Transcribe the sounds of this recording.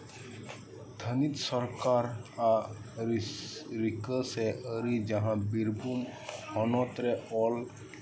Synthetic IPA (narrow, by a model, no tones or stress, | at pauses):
d̪ʰʱənit̪sɔɾkaɾa | ɾikəsɛʔəɾid͡ʒaɦãbiɾbʱumhɔnɔt̪ɾɛɔl